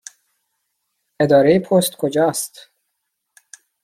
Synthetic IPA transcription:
e̞d̪ɒːɾejepʰost̪kʰod͡ʒɒːst̪

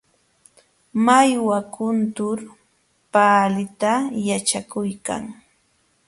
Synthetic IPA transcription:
majwakʊnt̪ʊɾ | paːlɪt̪ajat͡ʃakʊjka̰ŋ

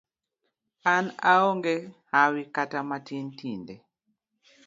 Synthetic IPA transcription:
ana̰oŋɡehawikatamatintinde

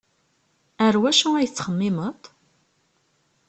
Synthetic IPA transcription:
əɾwæʃuæjt͡sːχəmːɪmət̪ˤ

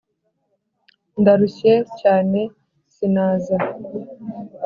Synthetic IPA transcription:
ndaɾuçecaːne̞ | sinaːza

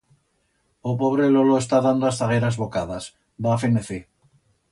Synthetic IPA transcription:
opoβ̞ɾeloloest̪aðand̪oasθaɣ̞eɾazβokaðas | bafineθi

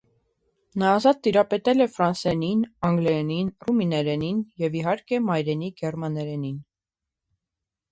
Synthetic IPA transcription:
nɑːzɑt̪ːiɾɑpɛt̪ɛlɛfɾɑnsɛninɑŋɡlɛninruminɛɾɛninjɛviɦɑɾkɛmɑjɾɛniɡɛrmɑnɛɾɛnin

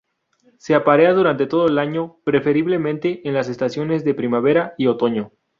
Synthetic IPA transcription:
se̞apaɾeaðuɾant̪e̞t̪o̞ðoelaɲo̞pɾe̞fe̞ɾiβle̞mẽnt̪e̞ʔenlas̬e̞st̪asjo̞ne̞zðe̞pɾimaβe̞ɾaio̞t̪o̞ɲo̞

